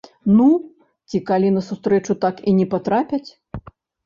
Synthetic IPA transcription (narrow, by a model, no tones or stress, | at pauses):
nu | t͡sʲikalʲinɐsust̪ɾɛt͡ʂut̪akinʲɛpat̪ɾapʲɐt͡sʲ